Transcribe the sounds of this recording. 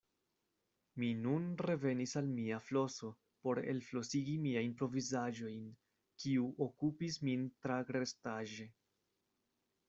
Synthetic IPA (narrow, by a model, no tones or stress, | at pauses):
minunɾe̞ve̞nisalmiaflo̞so̞ | po̞ɾḛlflo̞siɡimiajnpɾo̞vizaʒo̞jn | kiuʔokupismintɾaɡɾe̞staʒe̞